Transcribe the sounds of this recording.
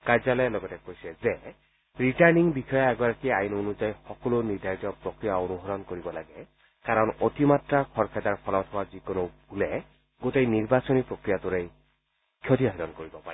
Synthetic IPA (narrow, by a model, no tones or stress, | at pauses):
kaɹzalɔjlɔɡɔtɛkojsɛze | ɹitaɹniŋbikʰɔjɔɛɡɔɾakiajunonuzajxɔkɔloniɾd̪ʱajitɔpɾokɾijaonuɦɔɾɔnkoɾibɔlaɡɛ | kaɾɔnotimatɾakʰɔɾkʰɛd̪aɹpʰɔlɔt̪ʰɔwazikonob̚ʱulɛ | ɡotejniɾbasɔnipɾokɾijat̪uɾej | kʰjɔtiaɦidɔnkoɾibɔpai